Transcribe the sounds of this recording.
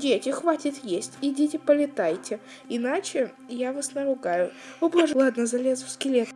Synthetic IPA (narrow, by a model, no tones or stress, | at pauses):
dʲetʲɪxvatʲɪt̪jesʲtʲidʲetʲɪpəlʲɪt̪ajtʲɪ | ɪnat͡ɕɪ | javasnəɾʊɡajʊʊb̪aʐɨlˠad̪nəzɐlʲezfskʲɪlʲet̪